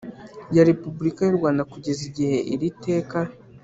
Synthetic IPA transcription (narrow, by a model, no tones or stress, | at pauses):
jaɾe̞pubuɾikajuɾɡwaːndakuɟe̞ziɟihe̞ʔiɾite̞ːka